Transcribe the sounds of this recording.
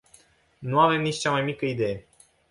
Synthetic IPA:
nuave̞mnit͡ʃt͡ʃamajmikəid̪e̞je

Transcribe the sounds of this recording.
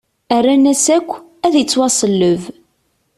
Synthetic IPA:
ærːænæsækʷː | æðjət͡sːwɑsˤəlːəv

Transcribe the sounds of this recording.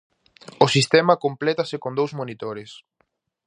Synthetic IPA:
ʊsist̪ɛmɐkomplɛt̪ɐsɪkõnd̪owzmonit̪oɾɪs

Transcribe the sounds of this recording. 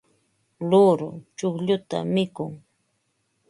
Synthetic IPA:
lʊɾʊ̰t͡ʃʊχʎʊt̪a̰mɪkʊŋ

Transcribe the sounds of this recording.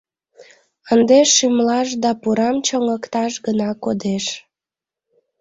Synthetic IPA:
ənd̪eʃːymlɑʃd̪ɑpuɾɑmt͡ɕoŋəkt̪ɑʃɡənɑkod̪eʃ

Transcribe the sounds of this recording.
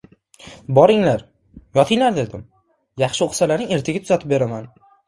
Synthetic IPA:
bɒɾɪŋlaɾ | jɒt̪ʰɪŋlaɾd̪e̞d̪ɪm | jɑχʃɪoχsalaɾnɪŋe̞ɾt̪ʰɪɡʲat̪ʰʊzat̪ʰɪp̚be̞ɾaman

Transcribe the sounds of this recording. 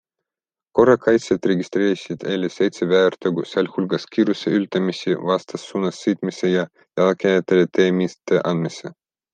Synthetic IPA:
ko̞rɑkɑjt̪sʲet̪reɡʲist̪ɾeːsʲid̪̥ejlʲesejt̪sevæert̪øɡusɑlʲhulɡɑskʲiːɾuseylt̪ɑmisʲivɑst̪ɑsːunɑsːɨt̪misejɑ | jɑlɑkæjt̪ːelet̪eːmist̪eʔɑnd̪mise

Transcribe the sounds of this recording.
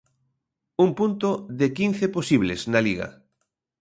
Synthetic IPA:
umpunt̪oðekinθeposiβlḛsnaliɣɐ̰

